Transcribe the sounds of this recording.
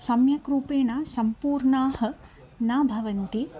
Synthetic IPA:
sɐmjɐkɾuːpeːɳaːsɐmpuːɾɳaːhɐ̆ | naːbʱɐʋɐnt̪i

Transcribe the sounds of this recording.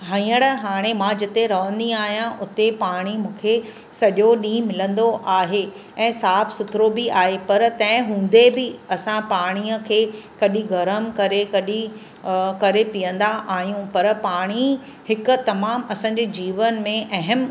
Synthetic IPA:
ɦɐĩəɽɦaːɽ̃emãd͡ʑɪt̪eɾɐʋə̃nd̪iaːɦijãʔʊt̪epaːɽ̃imũːkʰe | sɐʄoɗĩːmɪlə̃nd̪oʔaːɦe | ɛ̃ːsaːfʰsʊt̪ʰɾobiaːɦepɐɾt̪ɐ̃ɦɪ̃ɦũːnd̪ebɪɐsãpaːɽ̃iːəkʰeːkɐɗĩɡɐɾəmkɐɾekɐɗĩ | kɐɾepijə̃nd̪aʔaːɦijũpɐɾpaːɽ̃i | hɪkʊ̆t̪ɐmaːmɐsãːɲd͡ʑeːd͡ʑiːʋənmẽʔɐɦəm

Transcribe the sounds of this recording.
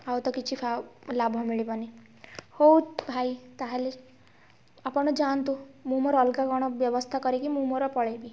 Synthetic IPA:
awt̪ɔkit͡ʃʰipʰalabʱɔmiɭibɔni | howtbʱajt̪aɦele | apɔɽ̃ɔd͡ʒant̪umũmɔɾɔlkaɡɔɽ̃ɔbjɔbɔst̪ʰakɔɾikimũmɔɾɔpɔɭebi

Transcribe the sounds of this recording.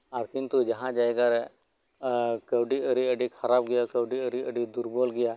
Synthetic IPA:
aɾkint̪ud͡ʒɐɦãd͡ʒaeɡaɾɛ | kəwɖiəɾiəɖikʰɐɾab̚ɡɐjakəwɖiəɽiəɖid̪uɾbɔlɡɐja

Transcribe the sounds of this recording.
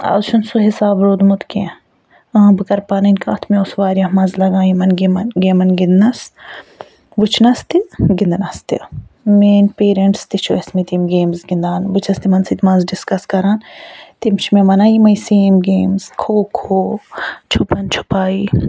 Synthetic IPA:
ɐ̰zt͡ʃʰunsuɦisaːbɾoːd̪mut̪kẽ | ɐːbɨkɐɾpanɐnʲka̰ːt̪ʰmẽosʋaːɾʲjɐmɐnzlɐɡãːjimɐnɡmɐnɡemɐnɡind̪nɐs | ʋɨt͡ʃʰnɐst̪iɡind̪ɐnɐst̪ḭmeːnpeːɾeɳʈst̪it͡ʃʰuesmet̪imɡeːmzɡind̪aːnʋɨt͡ʃʰɐst̪imɐnsit̪mɐnzɖɪskɐskɐɾaːnt̪imt͡ʃʰimẽmɐnaːjimɐjseːmɡeːmzkʰoːkʰoːt͡ʃʰupɐnt͡ʃʰu̥paːi

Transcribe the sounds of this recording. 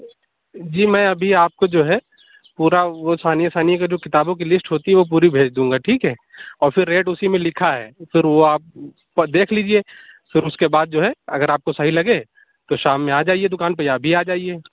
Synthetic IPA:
d͡ʒiːmɛ̃ːɐbʱiaːp̚kod͡ʒoːɦɛ | puːɾaʋosaːnijasaːnijkad͡ʒoːkɪt̪aːbõk̬ilɪsʈɦoːt̪iɦɛʋop̬uːɾibʱeːd͡ʒd̪ũːŋɡaʈʰiːkɦɛːɔːɾfɪɾːeːʈʊsimẽlɪkʰaɦɛ̰ːfɪɾʋoaːp̚ː | ɐd̪eːkʰliːd͡ʒieːfɪɾʊskebaːd̪̚d͡ʒoːɦɛɐɡəɾaːp̚kosɐɦilɐɡe | t̪oʃaːmːẽaːd͡ʒaːied̪ʊkaːnpɐjabʱiaːd͡ʒaːieː

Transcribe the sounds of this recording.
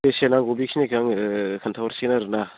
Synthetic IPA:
esenaŋɡobikʰinekʰaŋkʰantʰawɾsinaɾɯna

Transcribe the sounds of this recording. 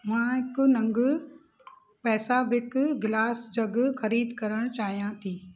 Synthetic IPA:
mãːɪkʊnɐ̃ŋɡ | pɛːsabɪkʊɡɪlaːsd͡ʑɐɡxɐɾiːd̪kɐɾəɽ̃t͡ɕaːɦijãt̪ʰiː

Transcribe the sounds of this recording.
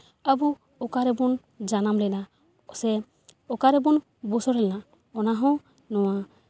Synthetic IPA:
abu | ɔkaɾɛbɔn | d͡ʒanamlɛna | ɔsɛ | ɔkaɾɛbɔn | busɔɾɛlɛna | ɔnaɦɔ̃ | nɔwa

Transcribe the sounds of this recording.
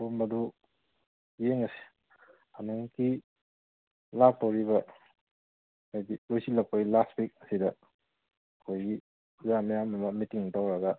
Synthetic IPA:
bumɐdu | jeŋɐsi̥ | hanuŋki | lak̚tawɾiβɐ | majdilojsilɐk̚pɐɡilastwik̚ɐsidɐ | ɐkʰojɡi | zamijamɐmɐmitiŋdawɾɐɡɐ

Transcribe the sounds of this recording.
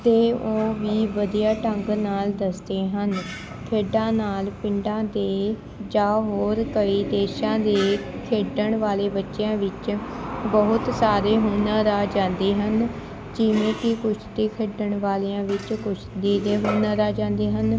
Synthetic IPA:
t̪eːoːʋiːʋəd̪ijaːʈəŋɡnaːld̪əsd̪eːɦən | kʰeːɖãːnaːlpɪɳɖãːd̪eː | d͡ʒaːɦoːɾkəiːd̪eːʃãːd̪eː | kʰeːɖəɳʋaːleːbətːʃejãːʋɪt͡ʃbəɦʊt̪saːɾeːɦoːnaːd̪aːd͡ʒãːnd̪eːɦən | d͡ʒɪʋẽːkɪkʊt͡ʃʰd̪iːkʰeːɖəɳʋaːleãːʋɪt͡ʃkʊt͡ʃʰd̪iːd̪eːɦoːnãːd̪aːd͡ʒãːnd̪eːɦən

